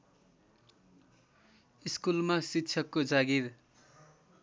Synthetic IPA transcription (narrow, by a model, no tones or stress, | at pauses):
iskulmasikt͡sʰʌkːod͡zaɡiɾ